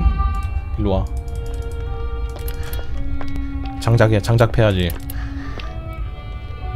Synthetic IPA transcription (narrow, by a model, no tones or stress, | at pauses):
lua | t͡ɕaŋd͡ʑaɡet͡ɕaŋd͡ʑak̚pʰeɦad͡ʑi